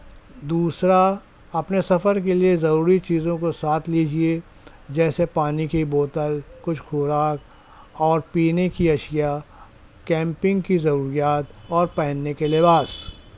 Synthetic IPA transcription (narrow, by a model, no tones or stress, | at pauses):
d̪uːsɾa | ɐpnesɐfəɾk̬eliezɐɾuːɾit͡ʃiːzõkosaːt̪ʰliːd͡ʒie | d͡ʒɛːsepaːnikiboːt̪əlkʊt͡ʃʰxuːɾaːk̚ | ɔːɾpiːnekiɐʃja | kɛ̃ːmpɪ̃ŋɡkizɐɾuːɾijaːt̪ɔːɾpɛɦnːekelɪbaːs